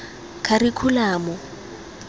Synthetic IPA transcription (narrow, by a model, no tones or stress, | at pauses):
kʰarikʰulaːmɔ